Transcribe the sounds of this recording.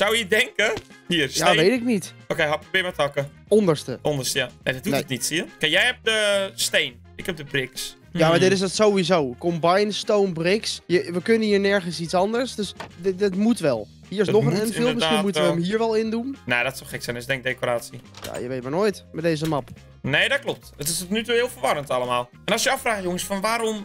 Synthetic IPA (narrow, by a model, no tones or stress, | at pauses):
sawjədɛŋkə | hiərsjaʋejtɪk̚nitokejɦaprobleəmətɔkə | ɔndəɹstə̰ʔɔndəstəjanedɔtintnitsiəkɛkjɛjhɛp̚dəsteːn | ɪkhɛp̚dəbrɪks | jamadɪtɪs̬dɔtsowʋizoːkɔmbajnstownbrɪksjəʋəkønənhiːɹnɛɹɣənsisɔndəɹsdøsddɪtmutʋɛlˠ | hiːəɹɪsnoxənɛnfɪlˠməsximutəʋəəmhiːəɹʋɛlˠɪndumnedɔtsɔlˠxɪksɛjnəsɪɡdɛŋɡ̚deːkoɾaːsija̰jəʋejt̚maɹnoːjtmɛdeːzəmap | neːdɔtklɔp̚tətɪstotnytuɪːlˠfəʋɔɾəntaləmaːlˠ | ɛnɔsjəafraːxjoŋəsfɔnʋaːɾom